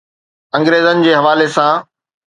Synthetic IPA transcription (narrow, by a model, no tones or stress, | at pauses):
ɐ̃ŋɡɾeːzənɪ̆d͡ʑeːɦɐʋaːlesãː